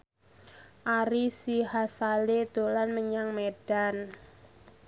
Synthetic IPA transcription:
ʔaɾisiɦasaled̪̥olanməɲaŋmed̥an

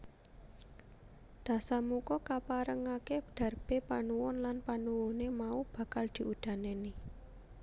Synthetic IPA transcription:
d̪̥ä̤samukɔkapaɾəŋaked̪̥ä̤rb̥epanuwʊnlanpanuwʊnemaub̥a̤kald̪̥i̤ʔud̪̥a̤neni

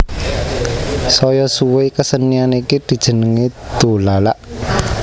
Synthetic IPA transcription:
sɔjɔsuwekəsənianikid̪̥i̤d̥ʒ̥ə̤nəŋed̪̥o̤lala̰ʔ

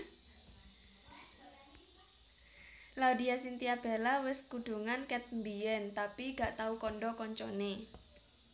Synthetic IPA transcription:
laud̪i̤asint̪iab̥alawɪskuɖ̪̥ṳŋankɛt̪̚mbiɛnt̪apiɡaʔt̪aukɔnɖɔkɔɲt͡ʃɔ̰ne

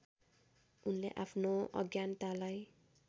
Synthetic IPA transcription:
unleʔapʰnoʌ̰ɡjant̪alaj

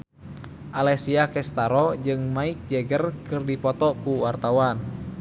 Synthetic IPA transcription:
ʔalɛsiakɛst̪aɾɔd͡ʒɨŋmaik̚d͡ʒɛɡərkɨrdipɔt̪ɔkuwart̪awan

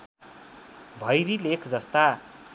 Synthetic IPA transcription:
bʱʌjɾilekʰd͡zʌst̪a

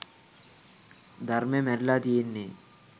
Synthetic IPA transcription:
d̪ʱɐɾmemɛɾlad̪ijenːe

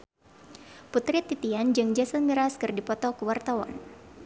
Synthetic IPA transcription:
put̪ɾit̪ːit̪iand͡ʒɨŋd͡ʒɛsənmiɾaskɨrdipɔt̪ɔkəwart̪awa̰n

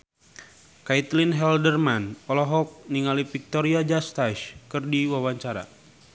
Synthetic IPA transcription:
kait̪linɦɛldərmanpɔlɔɦɔk̚niŋalifik̚t̪oɾiad͡ʒast̪aʃkɨrdiwawaɲt͡ʃaɾa̰

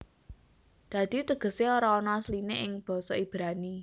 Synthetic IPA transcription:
d̪̥ä̤d̪̥i̤t̪əɡ̥ə̤seoɾaɔnɔaslineʔɪŋb̥ɔ̤sɔib̥ɾani

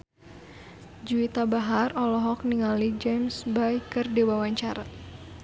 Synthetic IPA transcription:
d͡ʒuit̪abaɦarɔlɔɦɔk̚niŋalid͡ʒɛmsbajkɨrdewawaɲt͡ʃaɾa

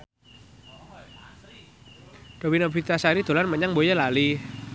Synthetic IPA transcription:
d̥owinabɾit̪asaiɾid̪̥o̤lanməɲaŋbojəlalih

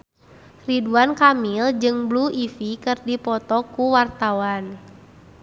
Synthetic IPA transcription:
riduankamild͡ʒɨŋbluʔifikɨrdipɔt̪ɔkuwart̪awan

